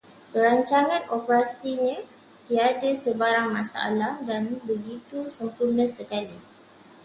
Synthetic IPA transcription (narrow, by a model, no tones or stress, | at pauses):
kəɾaɲt͡ʃaŋãnopəɾasiɲã | t̪iadasəbaɾaŋmãsaa̰lahdanbəɡit̪usəmpurnãsəkali